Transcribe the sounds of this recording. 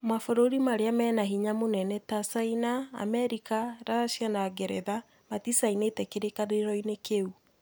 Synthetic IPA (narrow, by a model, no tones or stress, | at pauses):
mafoɾoɾimaɾeamɛːnaɦiɲamonɛnɛtasainaa̰mɛɾikaɾaʃjanaɡɛɾɛ̰ða | matisainetɛkeɾekaneɾɔinekeu